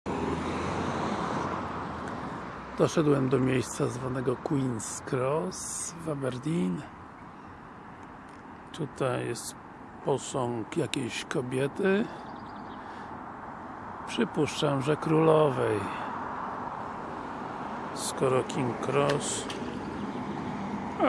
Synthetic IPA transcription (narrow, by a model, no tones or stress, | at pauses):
d̪̥ɔʂɛd̪wɛmd̪ɔmʲjejst̪sazvanɛɡɔkwinskɾɔsvabɛɾd̪ʲin | t̪ut̪ajɛst̪ | pɔsɔŋkjakʲejɕkɔbʲjɛt̪ɘ | pʂɘpuʂt͡ʂamʐɛkɾulɔvɛj | skɔɾɔkʲiŋkɾɔs